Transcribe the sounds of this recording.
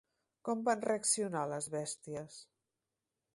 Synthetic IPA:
kɔmbanreəksiunaləzβɛst̪iəs

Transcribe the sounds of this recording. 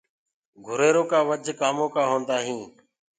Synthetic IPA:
ɡʱʊɾeːɾõːkaːʋəd͡ʒʱkaːmõːkaːɦoːnd̪aːɦĩː

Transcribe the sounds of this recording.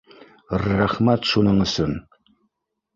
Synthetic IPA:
rːæχmæt̪ʃunɤɴɵ̆sɵn

